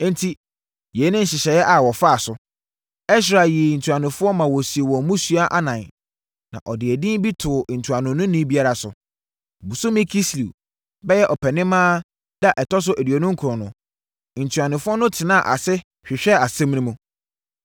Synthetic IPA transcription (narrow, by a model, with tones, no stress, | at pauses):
n˦tʰi˦ | jɛ˨˦nɪ̃˦n̩˦ɕɪ˨ɕɛ˨jɛ˦ʔa˨wɔ˨fa˦a˨sʊ˨ | ɛ˦s̬ɾa˨ji˨n̩˨tʰu˨a˨nʊ̃˨fʊ˦ɔ˦mã˨wɔ˨si˨e˨wɔ̃˨mũ˦su˦a˦ʔa˦nã˨n | nã̰˨ʔɔ˨dɪ˨ɛ˨dĩ˦bi˦tʰʊ˨n̩˨tʰu˨a˨nʊ̃˨˦nʊ̃˦nĩ˦bi˦a˦ɾa˨sʊ̰˨ | bu˨sʊ˦mĩ˦kʰi˦sli˨ | bɛ˦jɛ˦ʔɔ˨pʰɛ˨nɪ̃˦mãː˦ | da˦ʔɛ˨tʰɔ˦s̬ʊ˦ʔæ˨di˨ɔ˨nʊ̃˦ŋ̩˦kʰɾɔ̃˨nʊ̰̃˨ | n̩˨tʰu˨a˨nʊ̃˨fʊ˦ɔ˦nʊ̃˦tʰɪ˨nã˦˨ʔa̰˨sɛ˦ | ɕᶣɪ˨ɕᶣɛ˦a˨sɛ̃˦m̃˦nĩ˦mũ˨